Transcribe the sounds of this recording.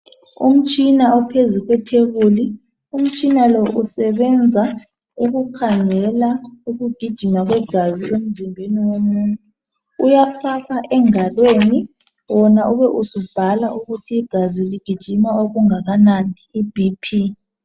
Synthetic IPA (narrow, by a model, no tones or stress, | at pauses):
ṵm̩t͡ʃʼinaɔpʰezuɣwɛtʰeβuli | um̩t͡ʃʼinalɔʔusɛβɛnd͡zʱa | uɣukʰaŋɛlauɣud̥ʱid̥ʒ̥ʱimaɣwɛɡ̥ʱaziʔem̩zimbʱeniwomuntʼu | ujafaɣaʔɛŋalweni | wɔnaʔuβɛʔusub̥ʱalaʔuɣutʰiːɡ̥ʱaziulid̥ʱid̥ʒ̥ʱimaoɣuŋaɣanandʱiib̥ʱipʰi